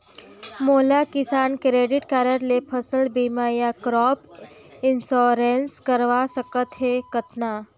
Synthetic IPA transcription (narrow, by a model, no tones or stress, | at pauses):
moːlakɪsaːnkɾeːɖɪʈkaːɾəɾlepʰəsəlbiːmaːjakɾɔːp | ɪnsɔːɾẽnskəɾʋasəkət̪ɦekət̪na